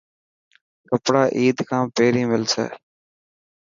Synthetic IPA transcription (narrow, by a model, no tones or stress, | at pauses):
kəpɽaːʔiːd̪kʰãːpeːɾĩːmɪlsḛː